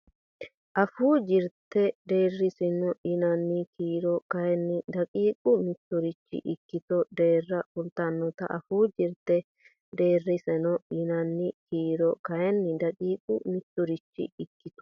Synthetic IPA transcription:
ʔɐfuːd͡ʒɪɾt̪ːɛd̪e̞ːrːɪsɪnɔʔɪnɐnːɪkiːɾɔkɐjɛnːɪd̪ɐkʼiːkʼʊmɪt̪ːɔɾɪt͡ʃːɪ̰ʔɪkːɪt̪ɔd̪e̞ːrːɐfʊlt̪anːɔt̪ɐ̰ʔɐfuːd͡ʒɪɾt̪ːɛ | d̪e̞ːrːɪsɛnɔɪnɐnːɪkiːɾɔkɐjɛnːɪd̪ɐkʼiːkʼʊ̰mɪt̪ːɔɾɪt͡ʃːɪ̰ɪkːɪt̪ɔ̥

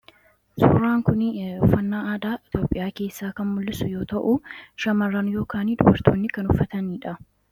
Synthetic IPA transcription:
sʊ̰ːɾaːŋkʊnɔfːɐnːaːaːd̪aːʔɪt̪jo̞ːpʼːɪjaːke̞ːsːaːkɐnmʊlːɪsʊjo̞ːt̪ɐʔʊʃɐmɐrːɐnjo̞ːkaːniᶑ̪ʊbɐɾt̪ʰoːnːɪkɐnʊfːɐt̪ɐniːᶑɐ

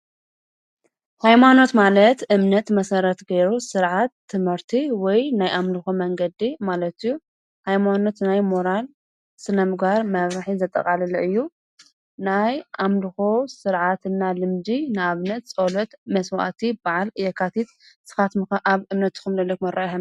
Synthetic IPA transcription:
hajmano̞t̪malɐt̪ɨmnɐt̪mɐsɐɾɐt̪ɡeɾusɨɾʕat̪ʰːɨmhɨɾt̪ʰiwɔjnajʔamlɨxomɐŋɡɐd̪imalɐt̪ɨjːu | hajmano̞t̪najmo̞ɾal | sɨnɐmɨɡaɾmɐβɾaħizɐt̪ʼːɐ̰kʼalɐliʔɨjːu | najʔamlɨxosɨɾʕat̪ɨnːalɨmd̪inɨaβnɐt̪̚t͡sʼolɐt̪mɐswa̰t̪ʰibaʕalɨjɛkʰat̪ʰit̪ | z̥ɨ̥xat̪mɨxɐʔaβɨmnɐt̪ːɨ̥kɨmlɐlːɐkmɐɾʔaʔħan

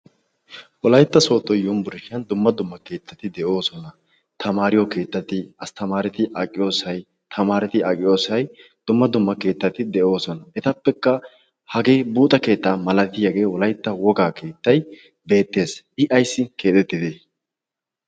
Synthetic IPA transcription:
wɔlɐjt̪ːɐso̞ːt̪ʼːɔjjɔmbʊɾɪʃɪɐnd̪ʊmːɐd̪ʊmːɐke̞ːt̪ːɐt̪ɪd̪ɛʔo̞ːsɔnɐ | t̪ʰɐmaːɾɪjɔke̞ːt̪ːɐt̪ɪɐst̪ɐmaːɾɪt̪ɪʔɐkʼɪjo̞ːsɐj | t̪ʰɐmaːɾɛt̪ɪɐkʼɪjo̞ːsɐjd̪̥ʊmːɐd̪ʊmːɐke̞ːt̪ːɐt̪ɪd̪ɛʔo̞ːsɔnɐʔɛt̪ɐpːɛkːɐ | hɐɡe̞ːbuːt̪ʼɐke̞ːt̪ːaːmɐlɐt̪ɪjɐɡe̞ːwɔlɐjt̪ːɐwɔɡaːkʰe̞ːt̪ːɐj | be̞ːt̪ːe̞ːs | ɪʔɐjsːɪke̞ːt̪ʼɛt̪ːɪd̪eː

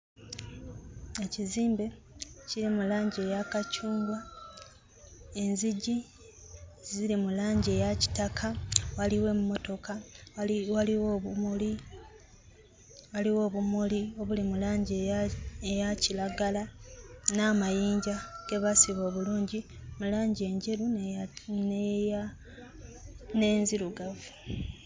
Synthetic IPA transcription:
eciziːmbe̞ | ciɾimulaːɲɟe̞ːjakacuːŋɡwa | e̞nziɟi | ziɾimulaːɲɟe̞ːjaci̥takʰawaliwe̞mumo̞to̞ka | waliwoːβumuli | waliwo̞ːβumulio̞βulimulaːɲɟejacilaɡalanaːmajiːɲɟaɡ̥e̞βasiβo̞ːβuluːɲɟimulaːɲɟe̞ːɲɟeɾu | n | ne̞nziɾuɡavu

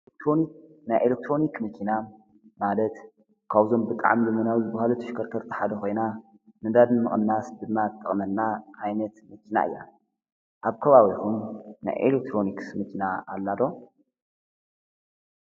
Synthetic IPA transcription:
ʔelek̚t̪ɾonik̚ | najʔelek̚t̪ʰɾo̞nikmɐkʰina | malɐt̪ | kʰaβzo̞mbɨt̪ʼa̰ʕmlɨmɐnawzɨbahalut̪ʰɐ̥ʃkʰɐɾt̪ʰɐɾt̪ʰi̥ħad̪ɐko̞jna | mɨnd̪ad̪nɨmɨχʼɨnːasd̪ɨmːat̪ʼːɨχʼnɐlːaʕajnɐt̪mɐkʰina̰ɨ̰jːa̰ | ʔaβkʰɐβaβikumna̰jʔḛlek̚t̪ʰɾo̞niksmɨkʰinaalːad̪o̞

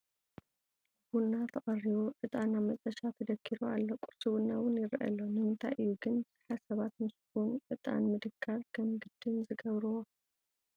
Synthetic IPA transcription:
bunːat̪ʰɐχʼɐriβoʔɨt̪ʼanːamɐt̪ʼɐʃat̪ʰɐd̪ɐkʰːiɾualːokʼuɾsɨβɨnːawʊnjɪɾʔɐ̰lːonɨmɨnt̪ʰa̰jʔɨjːuɡɨnbɨz̥ɨ̥ħasɐβat̪mɨskunʔɨt̪ʼa̰nmɨd̪ɨkʰːaɾkʰɐmɡɨd̪ːɨnzɨɡɐβɾɨwo

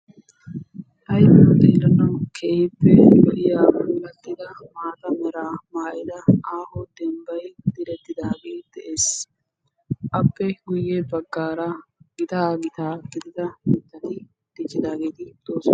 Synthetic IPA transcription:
ʔɐjpɔd̪ɛːɾɐnɐwkʰeːhɪpːɛbɐɪjaːbʊːlɐt̪ːɪd̪ɐmaːt̪ɐmɛɾaːmaːʔɪd̪ɐaːhɔd̪ɛmbɐjd̪̥ɪɾɛt̪ːɪd̪aːɡeːd̪̥ɛʔeːs | ʔɐpːɛɡʊjːebɐɡːaːɾɐɡɪt̪aːɡɪt̪aːɡɪd̪ɪd̪ɐmɪt̪ːɐt̪ɪ | d̪̥ɪt͡ʃːɪd̪aːɡe̞ːt̪ɪd̪̥oːsɔ

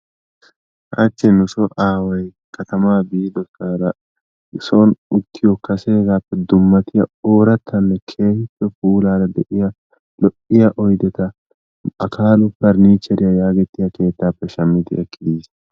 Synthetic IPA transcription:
ʔɐ̰t͡ʃːɛnʊsɔʔaːwɐj | kʰɐt̪ɐmaːbiːd̪ɔsaːɾɐ | ɪsonʊt̪ːɪjɔkɐse̞ːɡaːpːɛd̪ʊmːɐt̪ɪjɐoːɾɐt̪ʰːɐnːɛkʰe̞ːhɪpːɛpuːlaːɾɐd̪ɛʔɪjɐ | lɔʔɪjɐʔɔjd̪ɛt̪ɐ | ɐkʰaːlʊpːɐɾniːt͡ʃːɛɾɪjɐjaːɡɛt̪ːɪjɐkʰe̞ːt̪ːaːpːɛʃɐmːɪd̪ɪʔɛkːɪd̪iːs

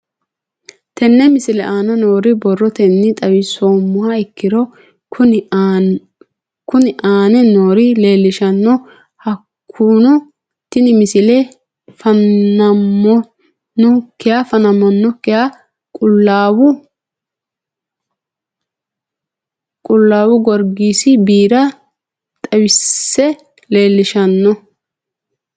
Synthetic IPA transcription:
t̪ɛnːɛmɪsɪlɛʔaːnɐnoːɾɪbɔrːɔt̪ɛnːɪt̪ʼɐwɪsoːmːʊhaɪkːɪɾɔ | ʊn | kʊnɪʔaːnɛnoːɾɪle̞ːlːɪʃɐnːɔ | hɐkʰːuːnɔ | t̪ːɪnɪmɪsɪlɛ | fɐnːɐmːɔ | nːɔkːɛjafɐnɐmːɔnːɔkːɛja | kʼʊlːaːwʊ | kʼʊlːaːwʊɡɔɾɡiːsɪbiːɾɐ | t̪ʼɐwɪsːɛ | leːlːɪʃɐnːɔ

